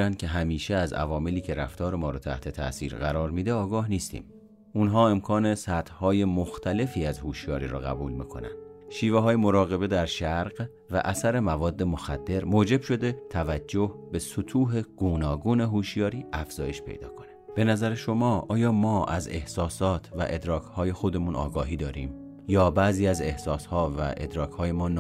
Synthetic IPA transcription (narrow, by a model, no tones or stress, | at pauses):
ænd̪̥̚cʲʰe̞ɦæmiːʃeæzæ̰vɒːme̞liːcʰe̞ɾæ̰ft̪ʰɒːɾe̞mɒːɾɒːt̪ʰæ̰ht̪ʰe̞t̪ʰæ̰siːɾɢæɾɒːɾmiːd̪e̞ɒːɡɒːhniːst̪ʰḭːm | unɦɒːe̞mkʰɒːne̞sæt̪ʰhɒːje̞moxt̪ʰæle̞fiːæzhuːʃjɒːɾḭːɾɔ̰ːɣæ̰buːlmḭːkʰo̞̰næ̰nd̥̪ʃiːveɦɒːjemo̞ɾɒːɣe̞be̞d̪æɾʃæɾɢ | væ̰ʔæsæɾe̞mævɒːd̪ːe̞moxæd̪ːe̞ɾmoːd͡ʒe̞bʃo̞d̪e̞t̪ʰævæd͡ʒːohbe̞sot̪ʰuːɦeɡ̥uːnɒːɡuːne̞ɦuːʃjɒːɾiːʔæfz̥ɒːje̞ʃpʰe̞̰jd̪ɒ̰ːkʰo̞neb̥e̞næzæɾeʃo̞mɒːʔɒːjɒːmɒːʔæze̞hsɒːsɒːt̪ʰvæ̰ʔed̪ɾɒːkʰhɒːje̞xo̞d̪e̞munʔɒ̰ːɡɒːɦiːd̪ɒːɾiːm | jɒːbæziːæze̞hsɒːshɒːvæ̰ʔe̞̰d̪ɾɒːkʰhɒːje̞mɒːn